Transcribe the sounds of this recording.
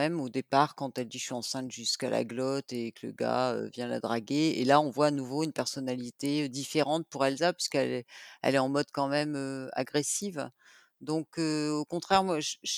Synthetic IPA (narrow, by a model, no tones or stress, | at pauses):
ɛmod̪epaʁkɑ̃t̪ɛld̪iʃɥiɑ̃sɛ̃t̪ʒyskalʔa̰ɡlɔt̪ekələ̰ɡa̰ø̰vjɛ̃la̰d̪ʁaɡeelaɔ̃vwaːnuvoynpɛʁsɔnalit̪eød̪ifeʁɑ̃t̪̚puʁɛlzapɥiskɛlɛɛ̰lɛɑ̃mɔd̪kɑ̃mɛmøa̰ɡʁesiv | d̪ɔ̃køokɔ̃t̪χɛʁmwaʒʒ